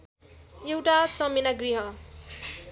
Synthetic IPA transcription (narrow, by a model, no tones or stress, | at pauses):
jewʈat͡sʌminaɡriɦʌ